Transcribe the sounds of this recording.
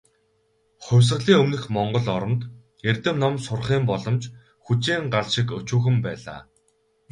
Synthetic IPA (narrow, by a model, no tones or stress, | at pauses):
χʊwʲs̬ə̆ɮiːŋɵmnɘ̆xmɔɴɢɞ̆ɮɔɾɞ̆mt̪ | ert̪ɘ̆mnɔmsʊrχiːmpɔɮɞ̆mt͡ɕ | xut͡ɕiːŋɢaɮʃɪkɵt͡ɕuːxɘ̆mpæːɮa̰ː